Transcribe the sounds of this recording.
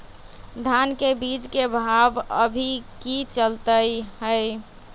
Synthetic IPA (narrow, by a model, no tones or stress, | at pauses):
d̪ʱankebid͡ʒkebʱabə̰bʱikit͡ʃəlt̪əjɦəɪ